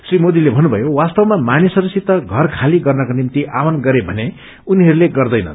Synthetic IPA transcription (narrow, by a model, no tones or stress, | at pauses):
srimod̪ilebʱʌnːubʱʌjowast̪ʌwmamanisʌɾusit̪ʌɡʱʌrkʰaliɡʌrnʌkonimt̪iʔawʌnɡʌɾebʱʌne | uniɦʌɾuleɡʌrd̪ʌjnʌ̰n